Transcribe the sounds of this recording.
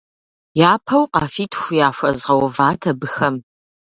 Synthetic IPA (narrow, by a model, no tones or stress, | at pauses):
jaːpʰɐwqɑːfiːtʰxʷʊjaːʃʷɐzʁɐwvaːtʰɐbɨxɐm